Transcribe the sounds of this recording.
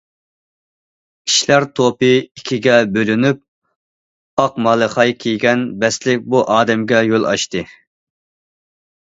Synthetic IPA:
kʲʰi̥ʃlæɾt̪ʰopɨikʲʰiɡʲɛbølynyp̚ | ɑqmɑlˠɨχɑjkʲʰijɡʲɛnbɛslɪk̚ʲbuʔɑːd̪ɛmɡʲɛjolˠɑ̰ʃt̪ɨ

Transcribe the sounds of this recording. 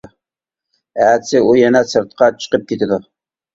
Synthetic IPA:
æːd̪sɪujɛnɛsɨɾt̪qʰɑt͡ʃʰə̥qəp̚kʲʰet̪ɪd̪ʊ

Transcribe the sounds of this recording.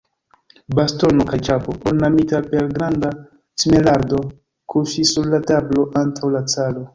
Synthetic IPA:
basto̞nokajt͡ʃapoʔonːamitape̞lɡɾanda | sime̞laɾdo̞ | kʰuʃisːuɾlatablo̞ʔantʰawlat͡salo̞

